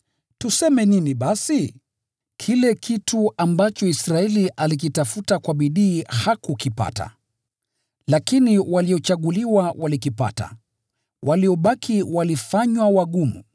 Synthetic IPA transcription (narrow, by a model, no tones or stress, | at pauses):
tusɛmɛniniɓasi | kʰilɛkʰituambat͡ʃɔisɾaɛliʔalik̬itafutakwaɓiɗiːhakukipa̰ta̰ | lakiniwaliɔt͡ʃaɠuliwawʔalikipa̰ta̰ | wʔaliɔɓakʰiwalifaɲwawaɠumṵ